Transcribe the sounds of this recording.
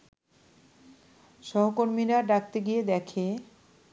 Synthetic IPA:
ʃɔɦokoɾmiɾaɖak̚t̪eɡied̪ɛkʰe

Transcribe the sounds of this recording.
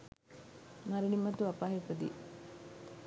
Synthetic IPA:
mɐɾinimːɐt̪uɐpaːɦefɐd̪ḭ

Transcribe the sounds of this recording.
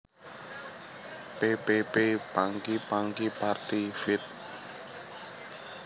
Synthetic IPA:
pepepeb̥aŋkib̥aŋkipart̪ifɪt̪̚

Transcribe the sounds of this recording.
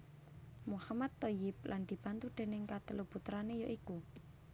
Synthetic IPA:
muhamad̪ːojɪp̚lʔand̪̥i̤pant̪ud̪̥e̤nɪŋkat̪əluput̪ɾanejoʔiku

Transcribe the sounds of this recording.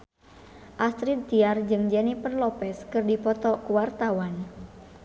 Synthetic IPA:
ʔast̪ɾid̪t̪iard͡ʒɨŋd͡ʒɛnipərlɔpɛskɨrdipɔt̪ɔkuwart̪awan

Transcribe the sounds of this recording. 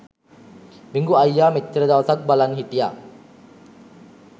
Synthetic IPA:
biŋɡuajːamet̪ːɾəd̪awsak̚balanɦit̪ija̰

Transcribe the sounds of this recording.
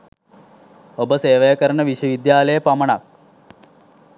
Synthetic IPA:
obəseːʋɐjɐkɐɾɐɳəʋiɕʋɐʋid̪jaːlɐjɐpɐmɐɳa̰k̚

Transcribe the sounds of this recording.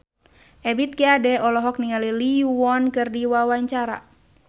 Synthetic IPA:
ʔɛbit̪̚kiadɛɔlɔɦɔk̚niŋaliliwɔnkɨrdiwawaɲt͡ʃaɾa̰

